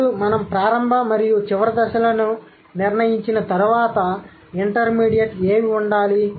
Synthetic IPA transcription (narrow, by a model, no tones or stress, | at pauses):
umɐnɐmpɾaːɾɐmbʱɐmɐɾijut͡ʃiʋɐɾɐd̪ɐʃɐlɐnu | niɾnɐjiɲt͡ʃinɐt̪ɐɾuʋaːt̪ɐ | iɳʈɐɾmiːɽijɐʈeːmiuɳɖaːli